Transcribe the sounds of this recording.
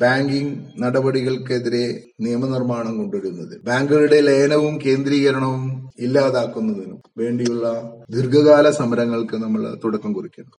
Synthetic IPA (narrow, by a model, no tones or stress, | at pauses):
b̥aːŋɡiŋnɐɽɐbɐɽiɣɐɭkeðiɾe̞ | nijɐmɐnirmaːɳɐmko̞ɳɖuɾunːɐðɨbaːŋɡɐɭuɽe̞leːnɐʋumke̞ːnd̪ɾiːɣɐɾɐɳɐʋumilːaːðaːkːunːɐðinṵmʋe̞ːɳɖijuɭːɐd̪ʱirɡɐɣaːlɐsɐmɐɾɐŋːɐɭkɨnɐmːɐɭt̪uɽɐkːɐmkurikʲːɐɳɐm